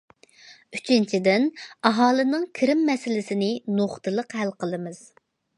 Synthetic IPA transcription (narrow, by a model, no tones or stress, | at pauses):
y̥t͡ʃʰint͡ʃʰid̪ɪnɑɦɑːlˠɨnɨŋkʲʰɪɾɪmːɛsɪlɪsɪnɪnoχt̪ʰɨlˠəqhælqəlˠɨmɨz̥